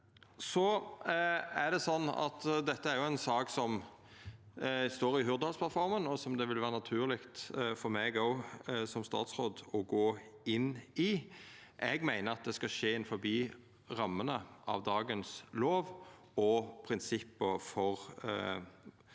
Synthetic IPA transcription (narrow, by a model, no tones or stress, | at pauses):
sɔ | æd̪ɛsɔnːɑ̰t̪d̪ɛt̪ːəæɾjʊæɪnsɑːksɔm | st̪oːɾɪɦʉɾd̪əhɑlspʰlɑt̪fɔɾmənɔsɔmd̪ɛʋɪlʋæːʁənɑt̪ʰʉːlɪkt̪fɔɾmɛːɡoʊsɔmst̪ɑ̰ːt̪sɾoːd̪ɔɡoːɪnːɪ | ʔɛɡmæɪnəɾɑt̪̚d̪ɛskɑʃeːɪnfɔɾbiː | ʁɑmːənəʔɑ̰ʋd̪ɑːɡənsloːʋ | ɔpʰɾɪnsɪpːəfɔɾ